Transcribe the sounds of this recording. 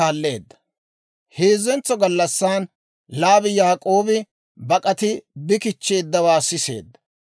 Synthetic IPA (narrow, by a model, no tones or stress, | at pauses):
aːlːe̞ːd̪ːɐ̥ | heːzːɛnt͡sːɔɡɐlːɐsːaːn | laːbɪjaːkʼo̞ːbɪ | bɐkʼɐt̪ɪbɪkɪt͡ʃːeːd̪ːɐwaːsɪse̞̰ːd̪ːɐ̥